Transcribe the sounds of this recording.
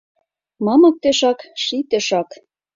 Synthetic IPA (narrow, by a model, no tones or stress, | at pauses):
mɑmɤ̆k̚t̪eʃɑkʃit̪eʃɑk